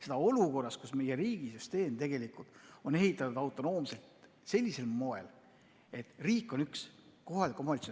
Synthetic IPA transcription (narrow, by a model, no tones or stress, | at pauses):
se̞d̪ɑo̞luko̞rːɑskusme̞jeɾiːɡ̥isyst̪e̞ːmt̪e̞ɡ̥e̞likˑult̪o̞ne̞ɦit̪ːˑɑt̪ːud̪ɑwt̪ˑo̞no̞ːmse̞lt̪ | se̞lʲːise̞lmo̞e̞̰l | e̞t̪ːˑriːkːˑo̞nyksko̞ɦɑlikːˑomɑlʲt̪so